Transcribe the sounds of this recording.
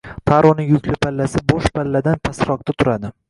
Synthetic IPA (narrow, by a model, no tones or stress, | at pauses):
t̪ʰaɾɒnɪŋjʊkʲlɪpʰalːasɪbɒʃpʰalːad̪ant̪ʰasɾɒq̚t̪at̪ʰʊɾad̪ɪ